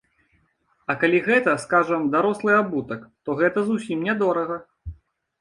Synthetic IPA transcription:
ɐkalʲiɣɛt̪ɐskaʐɐmd̪aɾɔslˠɨjabut̪ɐkt̪ɔɣɛt̪ɐzusʲimnʲɛd̪ɔɾɐɣɐ

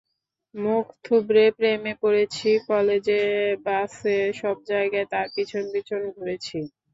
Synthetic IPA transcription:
mukʰt̪ʰubɾepɾemekoɾet͡ɕʰikɔled͡ʑeɾbaseʃɔb̚d͡ʑaeɡaet̪aɾpit͡ɕʰonbit͡ɕʰond̪ʱoɾet͡ɕʰi

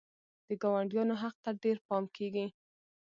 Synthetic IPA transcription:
d̪̥əɡɑwaɳɖjɑnoɦaq̚t̪aɖeɾpɑmkʰeɡi

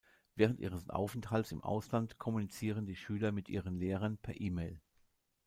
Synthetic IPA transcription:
vɛːʁəntʔḭːʁəsʔa̰ʊfɛnthalsɪ̰mʔa̰ʊslantkʰɔmunit͡siːʁəndiːʃyːlɐmɪtʔiːʁənleːʁ̞ɐnpʰɛɐʔiːmeɪl

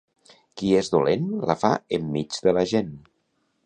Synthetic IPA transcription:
kiezðulenla̰fa̰əmːid͡zðəlaʒen

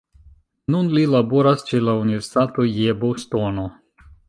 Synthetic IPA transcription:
nunlilaboɾast͡ʃelauniveɾsi̥t̪at̪ojebost̪ono

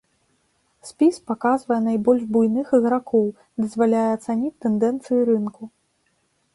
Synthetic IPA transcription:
sʲpʲispakazvɐjɛnajbɔlʲʐbujnɨxɨɣɾakɔw | d̪ɐzvalʲajɛɐt̪sanʲit͡sʲt̪ːɛnd̪ɛnt̪sɨjuɾɨnku

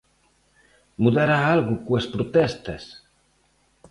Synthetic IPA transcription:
muðaɾaalɣukuespɾut̪ɛst̪es

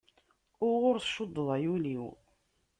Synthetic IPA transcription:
ʊɾʁʊɾθʃʊd̪ˤːðˤɑjuliw

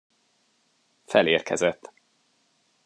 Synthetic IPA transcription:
fɛleːrkʰɛzɛt̪ː

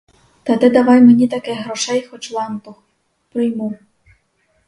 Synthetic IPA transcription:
t̪ɐt̪ɛd̪ɐʋɑjmenʲit̪ɐkɛɦɾɔʃɛjxɔt͡ʃlˠɑmt̪ʊx | pɾɪjmu

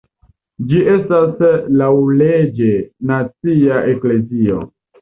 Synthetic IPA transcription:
d͡ʒiʔe̞staslawled͡ʒenat͡siaʔekle̞zio̰

